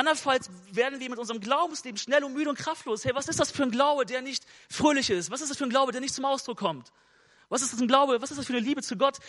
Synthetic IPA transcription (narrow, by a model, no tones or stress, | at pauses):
ʔandɐnfalsveːɐdn̩viːɐmɪtʔʊnzəʁəmɡlaʊbm̩sleːbm̩ʃnɛlʊntmyːɾəʊntkʁ̥aftloːshɛvasɪstd̥asfyːɐnɡlaʊbədeːɐnɪçtfʁ̥øːlɪçɪstv̥asɪstd̥asfyːɐnɡlaʊbədeɐnɪçt̚t͡sʊmʔaʊsd̥ʁʊkʰːɔmt | vas̬ɪstd̥asn̩ɡlaʊbəvasɪstdasfyːɐnəliːbət͡suɡɔt